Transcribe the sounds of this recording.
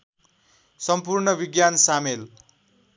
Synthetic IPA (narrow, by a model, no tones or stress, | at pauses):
sʌmpurɳʌbiɡjansamel